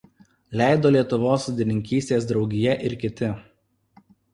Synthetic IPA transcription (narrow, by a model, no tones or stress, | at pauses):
lʲæˑɪd̪oːlʲiɛt̪ʊʋoːsʊd̪ʲɪnʲɪŋʲkʲiːsʲt̪ʲeːs̬d̪ɾɒʊɡʲɪjɛʔɪɾkʲɪt̪ʲɪ